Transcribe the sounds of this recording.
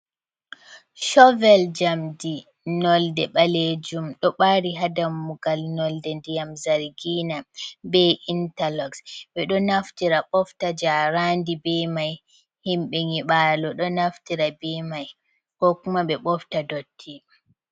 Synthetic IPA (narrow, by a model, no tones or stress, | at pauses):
ʃɔvɛld͡ʒamdi | nɔldɛɓaled͡ʒumɗɔɓaɾiɦadamːuɡalnɔldɛndijamzaɾɡiːnabɛʔintalɔksɓɛɗɔnaftiɾaɓɔftad͡ʒaɾandibɛmaj | himɓɛŋiɓaːlɔɗɔnaftiɾabɛmaj | kɔkumaɓɛɓɔftadotʰːi